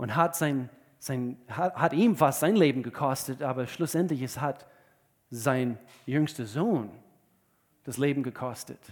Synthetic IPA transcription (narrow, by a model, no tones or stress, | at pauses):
ʔʊ̃ntɦatz̥aɪn | z̥aɪnhahatiːmfastz̥ãɪ̃nleːbm̩ɡəkʰɔstətaːbɐʃlʊsɛntlɪçɛshat | zaɪ̃n | jʏŋstəzoːn | d̥asleːbm̩ɡəkʰɔstə̰t